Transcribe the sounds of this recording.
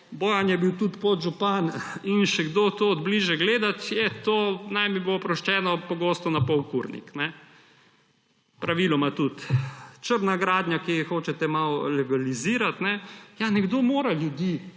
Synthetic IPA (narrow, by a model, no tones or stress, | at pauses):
boːjanjɛbiwt̪ut̪pod̪ʒupaninʃɛɡd̪oːt̪oːd̪bliʒɛɡleːd̪at̪jɛt̪oːnajmibopɾɔʃt͡ʃɛːnɔpɔɡoːst̪ɔnapɔwkuɾnḭknɛ | pɾaʋilɔmat̪ut̪t͡ʃəɾnaɡɾaːd̪ɲjakiixoːt͡ʃɛt̪ɛmawlɛɡaliziːɾat̪nɛjanɛɡd̪omoːɾaljud̪iː